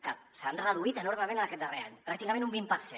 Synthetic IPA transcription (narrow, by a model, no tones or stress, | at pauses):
kasanrəðuit̪ənoɾməmẽnaəkɛt̪̚d̪ərea̰ɲpɾak̚t̪ikəɐmẽnumbimpəɾsɛ